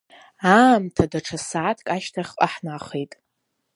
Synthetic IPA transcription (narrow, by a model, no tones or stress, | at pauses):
aːmtʰadaʈ͡ʂʰasaːtʰkʼaʃtʰaχʲqʼaħnaχejtʼ